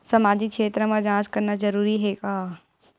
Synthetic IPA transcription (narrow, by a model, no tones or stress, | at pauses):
sɐmaːd͡ʑɪkʃeːt̪ɾəmãd͡ʒãːskɐɾnazɐɾuːɾiɦeːkaː